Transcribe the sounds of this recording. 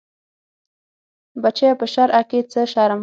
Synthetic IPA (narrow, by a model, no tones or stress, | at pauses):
bat͡ʃajapəʃaɾʔaket͡səʃɑɾam